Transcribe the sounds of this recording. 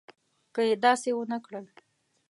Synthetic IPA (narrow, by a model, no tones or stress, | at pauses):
kəjed̪ɑsewənəkɽəl